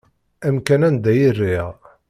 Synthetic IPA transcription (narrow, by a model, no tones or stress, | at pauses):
æmkænænd̪æjirːiʁ